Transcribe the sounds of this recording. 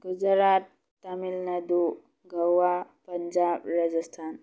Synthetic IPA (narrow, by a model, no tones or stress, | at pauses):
ɡud͡ʒɾaːt̪̚ː | ɐmilnɐd̪u | ɡɐwapɐɲd͡ʒaːbɾad͡ʒəst̪ʰaːn